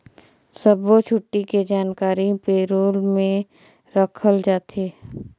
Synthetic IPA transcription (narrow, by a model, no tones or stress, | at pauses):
səbot͡ʃʰʊʈːiked͡ʒaːnkaːɾipeːɾoːlmẽ | ɾəkʰəld͡ʒaːt̪ʰeː